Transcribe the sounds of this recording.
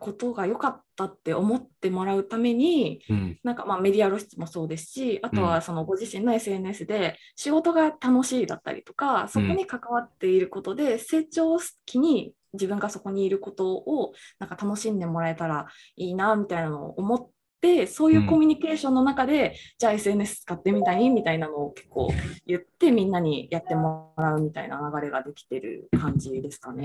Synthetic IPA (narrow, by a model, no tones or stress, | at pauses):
ko̞t̪o̞ɡajo̞kat̪ːat̪ːe̞o̞mo̞t̪ːe̞mo̞ɾaɯ̟t̪ame̞ɲ̟inãŋkamaːme̞d̪ʲiaɾo̞ɕi̥t͡sɨmo̞so̞ːd̪e̞sɨ̥ɕiat̪o̞β̞aso̞no̞ɡo̞ʑiɕĩnːo̞e̞sɨe̞nɯ̟e̞sɨd̪e̞ | ɕiɡo̞t̪o̞ɡat̪ano̞ɕiːd̪a̰t̪ːa̰ɾʲḭt̪o̞̥kaso̞ko̞ɲ̟ikakaβ̞at̪ːe̞iɾɯ̟ko̞t̪o̞d̪e̞se̞ːt͡ɕo̞ːsɨ̥t̪e̥kʲiɲ̟i | d͡ʑibɯ̟̃ŋɡaso̞ko̞ɲ̟iːɾɯ̟ko̞t̪o̞onãŋkat̪ano̞ɕĩnd̪e̞mo̞ɾae̞t̪aɾa | iːnamʲit̪ainano̞̰ʔːmo̞t̪ː | e̞so̞ːjɯ̟ːko̞mʲyɲ̟ike̞ːɕõ̞nːo̞nakad̪e̞d͡ʑaːe̞sɨe̞ne̞sɨ̥t͡sɨ̥kat̪ːe̞mʲit̪aimʲit̪ainano̞ːke̞̥kːo̞̰ːjɯ̟t̪ːe̞mʲĩnːaɲ̟ijat̪ːe̞moɾaɯ̟mʲit̪aḭna̰naɡaɾe̞ɡad̪e̞kʲi̥t̪e̞ɾɯ̟̰kãɲ̟d͡ʑid̪e̞sɨ̥kane̞